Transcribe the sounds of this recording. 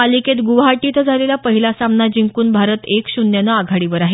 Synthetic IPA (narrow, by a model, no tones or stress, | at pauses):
aliket̪ɡuʋɦaʈit̪d͡zʱalelapəɦilasamnad͡ʑiŋkuːnbʱaɾət̪ekɕunjanəaɡʱaɽiʋəɾaɦe